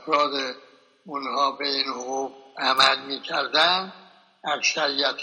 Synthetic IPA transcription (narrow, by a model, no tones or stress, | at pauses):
fɾɒːd̪e | unhɒːbeiːnhoɣubæmælmiːkʰæɾd̪ænd̪ | æksæɾijæt̪ʰ